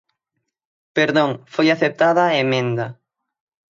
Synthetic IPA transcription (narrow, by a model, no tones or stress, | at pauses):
peɾðõŋfojaθep̚t̪aðaemẽnd̪ɐ